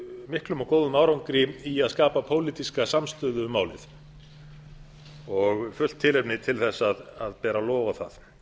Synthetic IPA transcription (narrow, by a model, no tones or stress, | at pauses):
mɪhklʏmawkoːwðʏmaːwɾawŋkɾɪiaðskaːpapʰoːwliːt̪iskasamst̪ʏðʏmaːwlɪ̰θ | ɔɣfʏl̥t̪ʰːɪlhɛpnɪt̪ʰɪlθɛsːaðaðpɛːɾalɔːvaθað